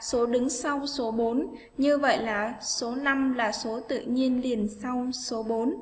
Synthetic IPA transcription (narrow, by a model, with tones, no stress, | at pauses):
so˨˦ɗɨ˨˦ŋsa˧wso˨˦ɓo˨˦n | ɲɨ˧və̰˧˨jlaː˨˩so˨˦na˧mlaː˨˩so˨˦t̪ɨ̰˧˨ɲi˧ənli˨˩ənsa˧wso˨˦ɓo˨˦n